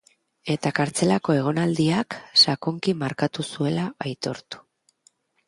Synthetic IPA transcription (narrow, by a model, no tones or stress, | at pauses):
e̞t̪akaɾt͡se̞lako̞e̞ɣ̞o̞nald̪iaksakoŋkimaɾkat̪usue̞laajt̪o̞ɾt̪u̥